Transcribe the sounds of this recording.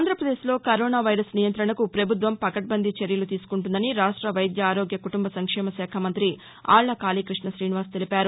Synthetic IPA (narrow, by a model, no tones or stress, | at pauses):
nd̪ʱɾɐpɾɐd̪eːslo̞ːkɐɾoːnaːʋɐjɾɐsnijɐnt̪ɾɐɳɐkupɾɐbʱut̪̬ʋɐmpɐkɐʈ̚bɐnd̪ʱit͡ʃeɾjɐlut̪iːsu̥kuɳʈund̪ɐniɾaːʂʈɾɐʋɐjd̪jɐaːɾoːɡjɐkuʈumbɐsɐŋkʂɛːmɐsɛːkʰɐmɐnt̪ɾi | a̰ːɭːɐkaːliːkɾiʂɳɐsɾiːniʋaːɾst̪e̞lipaːɾu